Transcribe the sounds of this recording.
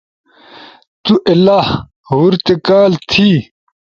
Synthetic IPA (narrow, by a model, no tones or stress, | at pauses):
t̪uʔɐlah | ɦuɾt̪ekaːlt̪ʰi